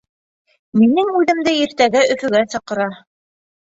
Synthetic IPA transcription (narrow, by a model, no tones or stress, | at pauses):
minɘŋʉðɘ̆md̪ɘiɾt̪æɡæʔɵ̆fɵ̆ɡæsɑqɤ̆ɾɑ